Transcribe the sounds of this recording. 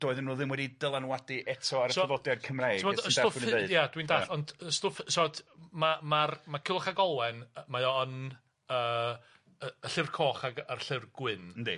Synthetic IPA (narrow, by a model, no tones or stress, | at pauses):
d̥oːɨðənuːðɪmwɛdidəlˠanwadiʔɛtʰɔaɾəsɔɔvɔdjad̚kʰəmrajɪvɔsdəsoejad̥windaɬɔndəstofsɔdmamarmakʰɪlˠɔχaɡɔlˠwɛnmajɔən | əː | əəɬɪrkʰɔːχaɡarɬɪrɡwɪnn̩di